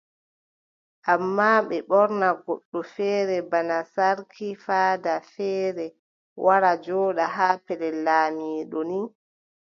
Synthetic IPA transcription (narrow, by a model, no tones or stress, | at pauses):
ʔamːaɓɛɓɔɾnaɡɔɗːɔfɛːɾɛbanasaɾkʰifaːdafɛːɾɛ | wʔaɾad͡ʒɔːɗaɦaːpɛlɛlaːmiːɗɔni